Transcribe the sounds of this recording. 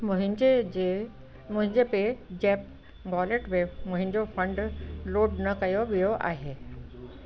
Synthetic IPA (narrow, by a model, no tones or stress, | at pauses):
mʊɦɪ̃d͡ʑed͡ʑe | mʊ̃ɦɪ̃ɲd͡ʑeped͡ʑɛːp̚ | ɡɔːleʈmemʊ̃ɦɪ̃nd͡ʑofʰə̃ɳɖloːɖnɐkɐjoʋijoʔa̰ːɦeː